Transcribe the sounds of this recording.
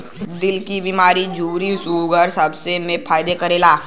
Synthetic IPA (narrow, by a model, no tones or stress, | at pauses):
d̪ɪlkibiːmaːɾid͡ʒuːɾisuːɡəɾsɐbsemẽpʰaːɪd̪ekɐɾeːlaː